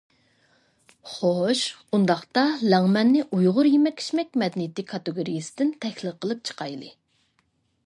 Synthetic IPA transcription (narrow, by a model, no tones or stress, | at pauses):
χoʃund̪ɑχt̪ɑlɛŋmɛnːɪʔujʁʊɾjimɛkʲʰːi̥ʃmɛk̚ʲmɛd̪nijt̪ːɪkʲʰːɑt̪ɨɡoɾijisɪ̥d̪ɪnt̪ʰɛxʲlˠɨqʰəlˠɨp̚t͡ʃʰə̥qʰɑjlˠɨ